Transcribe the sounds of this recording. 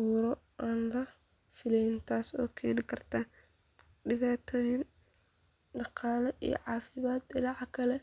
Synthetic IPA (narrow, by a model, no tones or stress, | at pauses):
uːɾɔ | ʔaːnlɐ | fɪlɛjnt̪ʰaːsɔ̰ːkʰɛːnɪkʰɐrt̪ʰaː | ɖɪβaːt̪ʰɔːjɪn | ɖɑqɑːlɛʔḭjɔ̰ʕɑːfɪβaːd̪ɪɾɑʕkʰɐlɛ